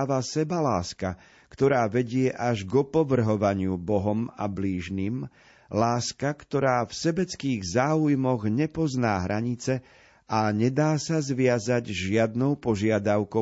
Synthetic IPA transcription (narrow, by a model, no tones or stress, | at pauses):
ʋasɛbalaːska | kt̪ɔɾaːʋɛɟɪɛʔaʒɡɔpɔʋr̩ɦɔʋaɲɪubɔɦɔma̰bliːʒniːm | laːskakt̪ɔɾaːfsɛbɛt͡skiːɣzaːujmɔɣɲɛpɔznaːɦɾʔaɲit͡sɛ | ʔaɲɛd̪aːsazʋɪazaɟʒɪad̪̚nɔʊpɔʒɪad̪aʊkɔ